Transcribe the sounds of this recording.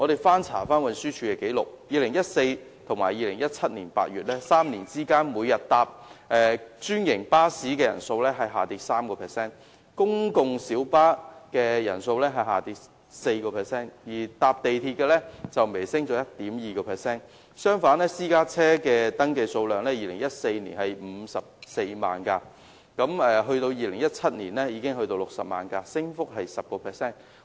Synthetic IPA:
ŋɔ˨˧ɾe˨˩jfaː˥nt͡sʰa̰ː˨˩faː˥nwɐ˧nsyː˥t͡ʃʰyː˧ɛ˧ke˨˥jlʊ̰˨k̚jiː˨˧lɪ˨˩ŋjɐ˥t̚se˧j | t̪ʰʊ˨˩ŋmaː˨˩jiː˨˧lɪ˨˩ŋjɐ˥t̚t͡sʰɐ˥t̚niː˨˩npa̰ː˧t̚ɥyː˨t̚lɛː˥saː˥mniː˨˩nt͡siː˥kaː˥nmuː˨˧jɐ˨t̚t̪aː˧p̚ʔɛː˨˩t͡ʃyː˥njɪ˨˩ŋpaː˥siː˨˥kɛː˧jɐ̰˨˩nso˧wlɛː˥ɦɐ˨jɦaː˨t̪iː˧˥t̚saː˥mkɔː˧pʰɛː˨˩sɛː˥n | kʊ˥ŋkʊ˨˧ŋsiː˨˥wpaː˥kɛː˧jɐ̰˨˩nso˧wlɛː˥ɦɐ˨jɦa̰ː˨t̪iː˧t̚ | se˧jkɔː˧pʰɛː˨sɛː˥njiː˨˩t̪aː˧p̚t̪e˨jt̪ʰiː˧t̚kɛː˧lɛː˥t͡sɐ˨wme˨˩jsɪ˥ŋt͡ʃɔː˨˥jɐ˥t̚t̪iː˨˥mjiː˨˩kɔː˧pʰɛː˨ksɛː˥n | sœː˥ŋfaː˨˥nlɛː˥siː˥kaː˥t͡sʰɛː˥kɛː˧t̪ɐ˥ŋke˧jso˧wlœː˨ŋlɛː˥jiː˨lɪ˨˩ŋjɐ˥t̚se˧jnḭ˨˩nhɐ˨jm̩˨˧sɐ˨p̚se˧jma̰ː˨nka˧ | kɐ˨˥mɛː˨ɦɵ˧ɥt̪o˧wjiː˨lɪ˨˩ŋjɐ˥t̚t͡sʰɐ˥t̚niː˨˩nlɛː˥jiː˨˧kɪ˥ŋɦɵ˧ɥt̪o˧wlʊ˨k̚sɐ̰˨p̚ma̰ː˨nka˧sɪ˥ŋfʊ˥k̚ɦɐ˨jsɐ˨p̚kɔː˧pʰɛː˨˩ksɛː˥n

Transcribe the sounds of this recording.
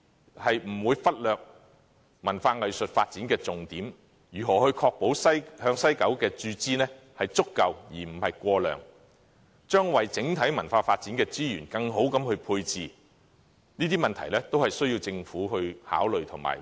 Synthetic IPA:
hɐ˨jm̩˨˩wuː˨˧jfɐ˥t̚lœː˨k̚ | mɐ˨˩nfaː˧ŋɐ˨jsɵ˨t̚faː˧t̚t͡siː˨˥nkɛː˧t͡sʊ˨ŋt̪iː˨˥m | jyː˨˩ɦɔː˨˩hɵ˧ɥkʰɔː˧k̚po˨˥wsɐ˥jhœː˧ŋsɐ˥jkɐ˨˥wkɛː˧t͡ʃyː˧t͡siː˥nɛː˥hɐ˨jt͡sʊ˥kːɐ˨wjiː˨˩m̩˨˩hɐ˨jkʷɔː˧lœ̰ː˨ŋ | t͡ʃœː˥ŋwɐ˨jt͡sɪ˨˥ŋt̪ʰɐ˨˥jmɐ˨˩nfaː˧faː˧t̚t͡siː˨˥nkɛː˧t͡siː˥jyː˨˩nkɐ˧ŋɦo˨˥wkɐ˨˥mhɵ˧pʰuː˧jt͡siː˨ | niː˥t̪̬iː˥mɐ˨nt̪ʰɐ˨˩jlɛː˥t̪o˥whɐ˨jsɵ˥ɥjiː˧wt͡sɪ˧ŋfuː˨˥hɵ˧ɥha̰ː˨˥wlɵ˨ɥt̪ʰʊ˨˩ŋma̰ː˨˩

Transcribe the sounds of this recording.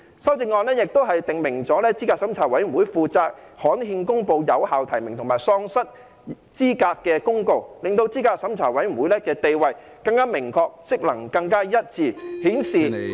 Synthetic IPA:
sɐ˥wt͡sɪ˧ŋːɔː˧nlɛː˥jɪ˨k̚t̪o˥wɦɐ˨jt̪ɪ˨ŋmɪ˨˩ŋt͡sɔː˨˥lɛː˥t͡siː˥kaː˧k̚sɐ˨˥mt͡sʰaː˨˩wɐ˨˥jm̩˨˩wu˨˥jfuː˨t͡saː˧k̚hɔː˨˥nhiː˧nkʊ˥ŋpo˨˧wjɐ˨˧whaː˨wt̪ʰɐ˨˩jmɪ˨˩ŋt̪ʰʊ˨˩ŋmaː˨˩jsɔː˧˥ŋsɐ˥t̚ | t͡siː˥kaː˧kkːɛː˧kʊ˥ŋko˨˧wlɪ˨ŋt̪o˧wt͡siː˥kaː˧k̚sɐ˨˥mt͡sʰaː˨˩wɐ˨˥jm̩˨˩wu˨˥jlɛː˥kɛː˧t̪e˨jwɐ˨j | kɐ˧ŋkaː˥mɪ˨˩ŋkʰɔː˧k̚sɪ˥k̚lɐ˨˩ŋkɐ˧ŋkaː˥jɐ˥t̚t͡siː˨˩hiː˨˥nsiː˨

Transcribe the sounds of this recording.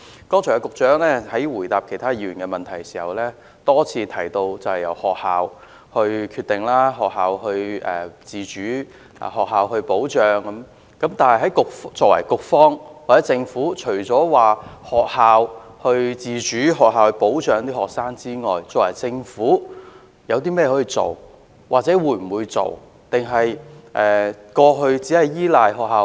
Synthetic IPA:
kɔː˥ŋt͡ʃʰːkʊ˨k̚t͡ʃœː˨˥ŋlɛː˥hɐ˨˥jwuː˨˩jt̪aː˨p̚kʰe˨˩jt̪ʰaː˥jiː˧˩ɥyː˨˩nkɛː˧mɐ˨nt̪ʰɐ˨˩jsi̥ː˨˩hɐ˨wlɛː˥ | t̪ɔː˥t͡sʰiː˧t̪ʰɐ˨˩jt̪o˧wt͡sɐ˨whɐ˨jɐ̰˨˩whɔː˨k̚haː˨˧w | hɵ˧ɥkʰyː˧t̪ɪ˨˩ŋlaː˥ɦɔː˨k̚ɦaː˨whɵ˧ɥʔɛ̰ː˨t͡siː˨˧t͡ʃy̰ː˨˥˨ | ɦɔː˨k̚ɦaː˨˧whɵ˧ɥpo˨˥wt͡ʃœː˨ŋkɐ˨˦m | kɐ˨˥mt̪aː˨nhɐ˨jɦɐ˨˥jkʊ˨k̚ft͡sɔː˧kwɐ̰˨˩jkʊ˨k̚fɔː˥ŋwaː˨t͡sɛː˨˦˥t͡sɪ˧ŋfuː˨˥t͡ʃʰɵ˨˩ɥt͡sɔː˨˥waː˨hɔː˨k̚haː˨˧whɵ˧ɥt͡siː˨t͡ʃyː˨˥ɦɔː˨k̚haː˨whpo˨˥wt͡ʃœː˨˧ŋt̪iː˥hɔː˨˩k̚saː˥ŋt͡siː˥ŋɔː˨jt͡sɔː˧˥kwɐ̰˨˩jt͡sɪ˧ŋfuː˨˥ | jɐ˨˧wt̪̬iː˥mɛː˥jɛ˧ɔ˨˥jiː˧t͡so̰˨w | wʔaː˨k̚t͡sɛː˨˥wuː˨˧˩jm̩˨˩wuː˨˧jt͡so̰˨w | t̪ɪ˨˩ŋɦɐ˨jʔɛː˨kɔː˧ɦɵ˧ɥt͡siː˨˥hɐ˨jjiː˥laː˨jɦɔː˨k̚haː˨˧

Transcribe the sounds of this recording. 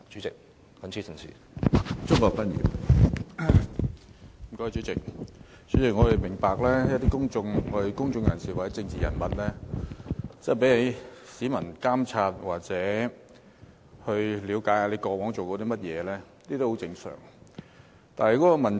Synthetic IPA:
t͡ʃy˨˥t͡sɪ˨k̚ | kɐ˨˥nt͡sʰiː˨˥sɪ˨˩ŋsḭː˨˩ | t͡sʊ˥ŋkɔ˧k̚fɐ˥njḭ˨˩ | m̩˨˩kɔː˧˥˨t͡ʃyː˨˥t͡sɪ˨k̚ | t͡ʃy˨˥t͡sɪ˨˩k̚ŋɔː˨˧d̪e˨˩mɪ˨˩ŋpaː˨k̚lɛː˥jɐ˥t̚t̪iː˥kʊ˥ŋt͡sʊ˧ŋɔ˨˧e˨˩kʊ˥ŋt͡sʊ˧ŋjɐ˨˩nsiː˨˩waː˨˩ɛ˨˥t͡sɪ˧ŋt͡siː˨˩jɐ˨˩nmɐ˨t̚lɛː˥ | t͡sɛ˥˨jpe˨˥jle˨˧˥jsiː˨˥mɐ˨˩nkaː˥mt͡sʰaː˧t̚waː˨k̚t͡sɛː˨˥ | hɵ˧ɥliː˨˧wkaː˨˥jaː˧le˨˧jkɔː˧wɔː˨˥ŋt͡so˨wkɔ˨˧˥d̪iː˥mɐ˥t̚jɛː˨˧lɛː˥niː˥t̪o˥who˨˥wt͡sɪ˧ŋsœ̰ː˨˩ŋ | t̪aː˨nhɛ˨˩jkɔː˨˥kɔ˧mɐ˨˩n

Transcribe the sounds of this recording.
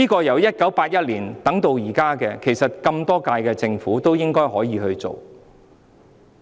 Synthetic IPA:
iː˥kɔː˧jɐ˨˩wjɐ˥t̚kɐ˨˥wpaː˧t̚jɐ˥t̚liː˨˩nt̪ɐ˨˥ŋt̪o˧wjiː˨˩kaː˥kɛː˧kʰe˨˩jsɐ˨t̚kɐ˧mt̪ɔː˥kaː˧jkɛː˧t͡sɪ˧ŋfuː˨˥t̪o˥wjɪ˥ŋkɔː˥jɦɔː˨˥jiː˨˧hɵ˧ɥt͡so̰˨w

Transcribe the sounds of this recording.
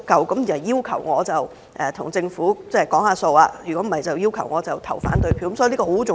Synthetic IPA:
kɐ˨wkɐ˨˥mji˨˩nhɐ˨˩jiː˥wkʰɐ˨˩wŋɔː˨˧t͡sɐ˨w | ʔɛː˨t̪ʰʊ˨˩ŋt͡sɪ˧ŋfuː˨˥t͡sɛː˥˩kɔː˨˥ŋhaː˨˧so˧waː˧jyː˨˩kɔː˨˥m̩˨˩ɐ˨jt͡sɐ˨wjiː˥wkʰɐ˨˩wŋɔː˨˧t͡sɐ˨˩wt̪ʰɐ˨˩wfa̰ː˨˥nt̪ɵ˧ɥpʰi˧˥kːsɔː˥˧liː˥kɔː˧ho˨˥t͡sʊ˨

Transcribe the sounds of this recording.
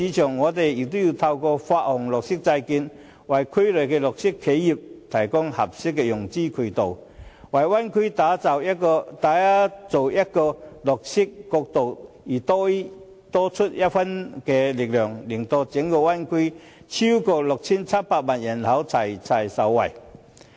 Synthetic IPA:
i˨˦t͡ɕʰɔ˨˩ŋːɔː˨˧t̪e˨i˨k̚t̪u˥ji˧˩t̪ʰa˧wkɔː˧fa˧t̚hʊ˨˩ŋlʊ˨k̚si˥k̚t͡sa˧jki˧n | wa˨˩jkʰu˧˥jlø˨˩kɛ˧lʊ˨˩k̚si˥kʰːe˨˦˥jji˨˩p̚t̪ʰɐ˨˩jkɔ˥ŋhɐ˨p̚si˥kːɛ˧jʊ˨˩ŋt͡ɕi˥kʰu˨˩t̪o˨˩w | wa˨˩jwa˥nkʰi˥˦t̪a˨˥t͡sa˨˩wɔ˧t̪a˨˥a˥t͡so˨˩wja˦˥kɔ˧lʊ˨˩k̚si˥kːɔ˧k̚t̪o˨w | i˨˩t̪ɔ˦˥i˦˥ | t̪ɔ˦t͡sʰu˦˥t̚ja˦˥t̚fa˦˥nkɛ˧li˨k̚lœː˨˩ŋli˨˩ŋt̪ɔ˧t͡ɕɛ˨˦ŋkɔ˧wa˥nkʰi˦ | t͡ɕʰi˥wkɔ˧lʊ˨k̚t͡ɕʰi˦˥nt͡sʰa˥mpaː˧k̚maː˨nja˨˩nhʰa˨˦wt͡sʰa˨˩jt͡sʰa˨˩jsa˨˩wwa˨˩j

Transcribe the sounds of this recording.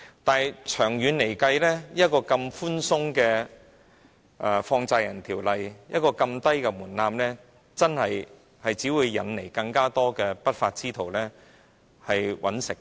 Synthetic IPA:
t̪aː˨˩jt͡ʃʰœː˨˩ŋjyː˨˧nle˨˩jkɐ˧jlɛː˥jɐ˥t̚kɔː˧kɐ˧mfuː˥nsʊ˥ŋkɛː˧ | ʔɛː˨˩fɔː˧ŋt͡saː˧jɐ˨˩nt̪ʰiː˨˩wlɐ˨jjɐ˥t̚kɔː˧kɐ˧mt̪ɐ˥jkɛ˧muː˨˩nlaː˧mlɛː˥ | t͡sɐ˥nhɐ˨j | hɐ˨jt͡siː˨˥wuː˨˧jːɐ˨˧nle˨˩jkɐ˧ŋkaː˥t̪ɔː˥kɛː˧pɐ˥t̚faː˧t̚t͡siː˥t̪ʰo˨˩wlɛː˥ | hɐ˨jwʔɐ̰˨˥nsɪ˨k̚

